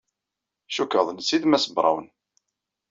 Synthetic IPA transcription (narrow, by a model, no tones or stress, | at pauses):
ʃukːəðˤnsiðmæsəbɾˤɑ̰wən